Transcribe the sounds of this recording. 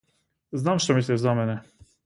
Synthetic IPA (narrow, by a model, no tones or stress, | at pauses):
znamʂt̪ɔmisʲɛzamɛnɛ